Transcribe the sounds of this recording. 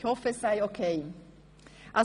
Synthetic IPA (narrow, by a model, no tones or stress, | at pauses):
ofesajokʰej | a